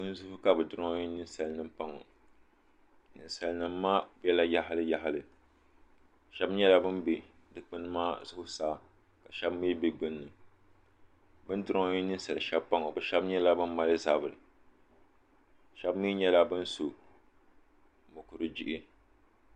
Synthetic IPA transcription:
ɨ˦n˦zʊ˦hʊ˦ka˦bɨ˨dʊ˨ɾɔ˦ɲi˦nɨ˦n˦sa˨lɨ˨nɨ˦mpa˦ŋɔ̰˨ | nɨ˨n˨sa˨lnɨ˨mː˦aː˦bɛ˦la˦ja˦ɦa˦lɨ˦ja˦ɦa˨lɨ˨ | ʃɛ˦bɲɛ˦la˦bɨ˦mbe˦ | dɨ˦k͡pɨ˦nɨ˦maː˦zʊ˦hʊ˦saː˦ | ka˨ʃɛ˦bmi˦bi˦ɡ͡bɨ˦nː˦ɨ˨ | bɨ˦n˦dʊ˦ɾɔ˦ŋ˦ɲi˦nɨ˦n̩˦sa˨lɨ˨ʃɛ˦bpa˦ŋɔ˨bɨ˨ʃɛ˦bɲɛ˦la˦bɨ˦m˦ma˦lɨ˦za˦˨bɨ˨ɾɨ˨ | ʃɛ˦bmiː˦ɲɛ˦la˦bɨ˦n˦so˨ | mʊ˨kʊ˨ɾɨ˦d͡ʒi˦ʔɪ˦

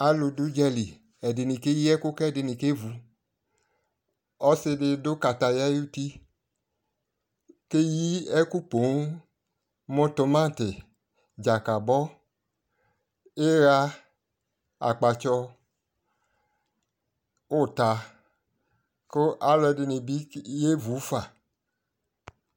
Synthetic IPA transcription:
a˨˦lo˧du˨˦d͡ʒɛ˧li˨ | ɛ˨de˨˧nĩ˧ke˦ji˦ɛ˦ko˦kɛ˦˨de˧nĩ˨ke˦vu˧ | ɔ˦se˧de˧do˦ka˧ta˧ja˦u˦ti˦ | ke˦ji˦ɛ˦ku˦po˨˦ | mõ˦to˧mã˦˨te˨ | d͡ʒa˨ka˨bɔ˦ | e˦ɣa˦ | a̰˨k͡pa˨t͡ʃɔ˧ | o˦˨ta˨ | ko˦ʔa˦lɔ˧de˨ne˨bi˦je˦vu˨˦fa˨

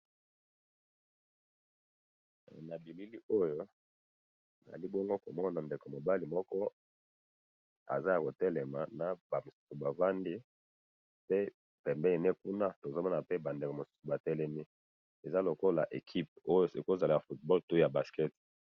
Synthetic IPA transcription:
na˨bi˨li˦li˦o˦jo˦ | a˨za̰˨li˦bɔ˦ŋɡo˦ko˨mɔ˦n˦na˨nde˨ko˨mo˨ba˦li˨mɔ˦kɔ˦ | a̰˨za˦ja˨ko˨tɛ˦lɛ˨ma˨na˨ba˨mo˨su̥˦su˨ba˨va˦ndi˦ | pe˦ | pɛ˨mbɛ˦e˨ne˦k̚u˦na˦to˨zo˦mɔ˦na˨pe˦ba˨nde˨ko˨mo˨su̥˦su˨ba˨tɛ˦lɛ˦ni˦ | e˨za˦lo˨ko˦la˨ʔe˨kʰi˦p̚o˦jo˦si˨ko˦˨za˨li˦ja˨fu˨t̚bɔ˦lto˦ja˨ba˨skɛ˦t

